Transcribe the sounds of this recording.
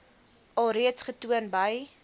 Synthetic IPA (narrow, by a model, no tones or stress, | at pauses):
ʔɐlˠriətsχətuənbɐj